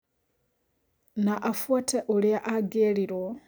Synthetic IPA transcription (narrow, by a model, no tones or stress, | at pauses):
naʔafwatʰɛʔuɺiaʔaɡeɺiɾɔ